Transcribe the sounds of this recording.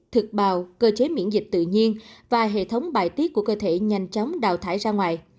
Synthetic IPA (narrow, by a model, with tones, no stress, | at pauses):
t̪ʰɨ˨˩k̚ɓaː˧˨wkəː˧t͡ɕe˨˦mḭ˧˥ənzï˨˩k̟̚t̪ɨ̰˧˨ɲi˧ənvaː˨˩ɦḛ˧˨t̪ʰə˨˦wŋ͡mɓaː˧˩jt̪i˦˥t̚ku˧˩əkəː˧t̪ʰe˧˩ɲa˧jŋ̟t͡ɕɔ˨˦wŋ͡mɗa̰ː˧˨˩wt̪ʰaː˧˩jzaː˧ŋwaː˨˩j